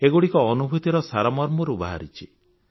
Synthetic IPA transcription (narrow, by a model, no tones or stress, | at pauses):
eɡuɽikɔːnubʱut̪iɾɔsaɾamɔɾmɔɾuba̰ɦa̰ɾit͡ʃʰi